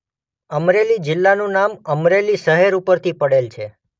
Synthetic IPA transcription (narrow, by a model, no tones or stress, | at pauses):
əmɾelid͡ʒɪlːanũnaməmɾeliʃəɦeɾupəɾt̪ʰipəɽelt͡ʃʰe